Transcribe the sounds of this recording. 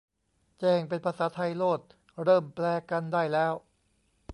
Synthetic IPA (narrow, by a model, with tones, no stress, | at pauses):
t͡ɕɛː˧˩ŋpe˧npʰa˧saː˩˦t̪ʰa˧jloː˥˩t̪̚ | ɾɤː˥˩mplɛː˧ka˧ndaː˥˩jlɛː˦˥w